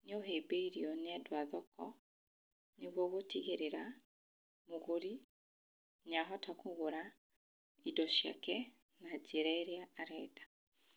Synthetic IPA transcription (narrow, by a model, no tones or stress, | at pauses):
neoɦeːbeiɾiɔneadwaðɔkɔ | neɣwɔɣotiɣeɾeɾa | moɣoɾi | ɲaɦɔtakoɣoɾa | idɔʃja̰kɛ | nad͡ʒeɾaeɾeaːɾɛdḁ